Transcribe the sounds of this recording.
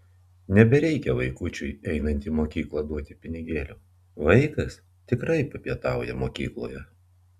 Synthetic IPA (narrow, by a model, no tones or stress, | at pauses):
nʲɛbʲɛɾʲɛɪkʲɛʋɐɪkʊt͡ʃʲʊɪɛɪnɐnʲt̪ʲiːmoːkʲiːklˠɐd̪uɔt̪ʲɪpʲɪnʲɪɡʲeːlʲuː | ʋɐɪkɐs | t̪ʲɪkɾɐɪpɐpʲiɛt̪ɑˑʊjɛmoːkʲḭːklˠo̰ːjɛ